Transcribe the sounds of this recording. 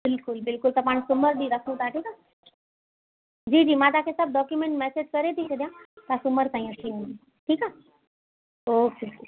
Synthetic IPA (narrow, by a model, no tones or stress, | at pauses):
bɪlkʊlbɪlkʊlt̪apaɳsuməɾd̪iːɾəkʰũt̪aʈʰiːka | d͡ʑiːd͡ʑiːmãt̪akʰẽsəb̚ɖɔkjumeɳʈmɛsed͡ʑkəɾet̪isʰed̪jãt̪asuməɾtãj̃ãʈʰinli | ʈʰiːka | okii